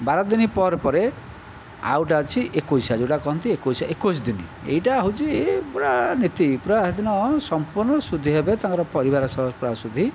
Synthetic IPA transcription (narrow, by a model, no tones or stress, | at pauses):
baɾɔd̪inipɔɾpɔɾe | a̰wʈ̬at͡ʃʰiʔekosad͡ʒoʈakɔɦɔnt̪iekosaʔekosd̪inḭḛiʈaɦot͡ʃʰipuɾanit̪ipuɾaɦd̪inɔsɔmpuɾnɔsud̪ʱːiɦebet̪ãŋkɔɾɔpɔɾibaɾɔsɔpɾasud̪ʱi